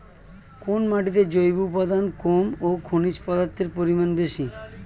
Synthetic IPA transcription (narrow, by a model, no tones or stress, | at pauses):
konmaʈit̪ed͡ʑojbupɔd̪ankomokʰonit͡ɕpɔd̪aɾt̪ʰːeɾpoɾimanbeʃi